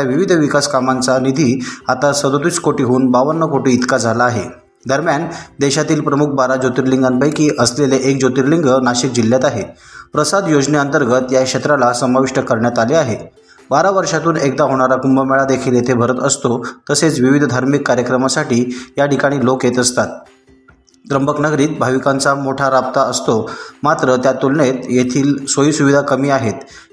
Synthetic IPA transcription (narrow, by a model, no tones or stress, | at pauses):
aʋiʋid̪ʱʋikaskamant͡sanid̪ʱiːat̪asəd̪ot̪iskoʈiɦuːnbaʋənːəkoʈiːt̪kad͡zʱalaːɦe | d̪ʱəɾmjand̪eɕat̪iːlpɾəmuk̚ʰbaɾad͡ʑot̪iɾliŋɡanpəjkiːʔəsleleʔek̚d͡ʑot̪iɾliŋɡənaɕik̚d͡ʑilːjat̪aɦepɾəsad̪jod͡ʑneənt̪əɾɡət̪jakʂet̪ɾalasəmaʋiʂʈəkəɾɳjat̪aleaɦe | baɾaʋəɾʂat̪uːnek̚d̪aɦoɽ̃aɾakumbəmɛɭad̪ekʰiljet̪ʰebʱəɾət̪əst̪ot̪əset͡sʋiʋid̪ʱd̪ʱaɾmikːaɾjəkɾəmasaʈiːjaʈikaɽ̃iːlokjet̪əst̪at̪̚ | d̪ɾəmbəknəɡɾiːt̪̚bʱaʋikant͡samoʈʰaɾap̚t̪aəst̪omat̪ɾət̪jat̪ulɳet̪jet̪ʰiːlsʋəiːsuʋid̪ʱakəmiːaɦet̪